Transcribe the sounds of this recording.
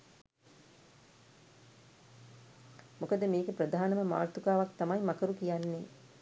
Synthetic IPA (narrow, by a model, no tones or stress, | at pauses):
mukəd̪əmeːɡepɾəd̪aːnəməma̰ːrt̪ukaːʋakt̪amajmɐkəɾukijanːeː